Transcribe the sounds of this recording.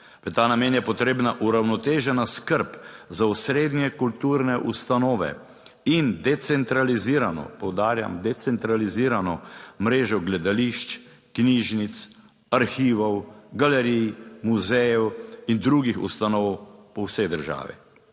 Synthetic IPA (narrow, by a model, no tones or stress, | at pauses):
ʋət̪aːnameːnjɛpɔt̪ɾeːbnaʔuɾawnɔt̪eːʒɛnaskəɾpzausɾeːd̪njɛkult̪uɾnɛʔust̪anɔːʋɛ̰ | ind̪ɛt̪sɛnt̪ɾaliziːɾanɔ̰pɔwd̪aːɾja̰md̪ɛt̪sɛnt̪ɾaliziːɾanɔmɾeːʒɔɡlɛd̪aliʃt͡ʃ | kniʒnit̪s | aɾxiːʋɔwɡalɛɾijmuzɛjɛwind̪ɾuɡixṵst̪anɔwpɔwsɛjd̪əɾʒa̰ːʋḭ